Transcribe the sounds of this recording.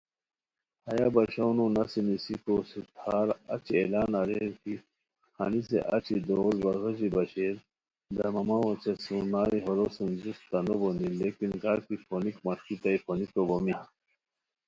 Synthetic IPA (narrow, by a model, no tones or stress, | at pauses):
hɐjabɐɕownunɐsinisikosit̪ʰaːɾɐ̰t͡ɕielaːnaɾeɾki | xa̰nis̬ḛʔɐt͡ɕid̪oːlbɐɣɐʑibɐɕeːɾ | d̪ɐmɐmawɐt͡ɕɐsunaːɾiɦoɾosend͡ʑust̪anobonilekinɡaɾk̪iponikmɐʂkit̪aiponikobomi